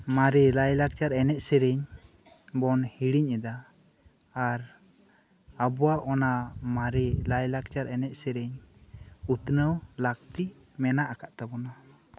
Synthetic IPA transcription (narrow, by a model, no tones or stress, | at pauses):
maɾɛlajlak̚t͡ʃaɾɛnɛʔsɛɾɛɲ | bɔnhiɽiɲɛd̪aː | ɾ | abɔwaʔɔnamaɾɛlajlak̚t͡ʃaɾɛnɛʔ̚sɛɾɛɲ | ut̪nəwlak̚t̪iʔ | mɛnaʔakaʔt̪abɔna